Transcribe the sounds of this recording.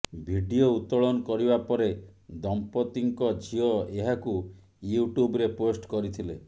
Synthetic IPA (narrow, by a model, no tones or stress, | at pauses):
bʱiɖiout̪ɔɭɔnɔkɔɾibapɔɾed̪ɔmpɔt̪iŋkɔd͡ʒʱiɔeɦaku | juʈubɔɾeposʈkɔɾit̪ʰile